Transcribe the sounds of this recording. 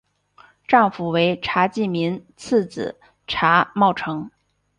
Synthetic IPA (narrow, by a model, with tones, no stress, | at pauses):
ʈ͡ʂɑ˥˩ŋfu˨˩we˧˥ɪʈ͡ʂʰa˧˥t͡ɕi˥˩mi˧˥nt͡s̩ʰ˥˩t͡sɹ̩̰˨˩ | ʈ͡ʂʰa˧˥mɑ˥˩ʊʈ͡ʂʰɤ˧˥ŋ